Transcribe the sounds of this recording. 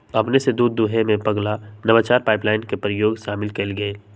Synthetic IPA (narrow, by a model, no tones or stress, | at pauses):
ɐpnesed̪uːd̪ːuɦemẽpɐɡlanɐʋat͡ʃaːɾpaːɪplaːɪnkepɾəjoːɡʃaːmɪlkelɡɐe